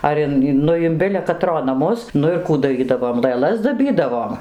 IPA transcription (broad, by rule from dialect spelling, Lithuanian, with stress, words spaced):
ˈɐr ɪn ˈnʊ ɪn ˈbʲɪlʲɛ kɐˈtroː nɐˈmʊs ˈnʊ ɪr ˈkuː dɐˈrʲiːdɐʋoːm lˠɘˈlˠɐs dɐˈbʲiːdɐʋoːm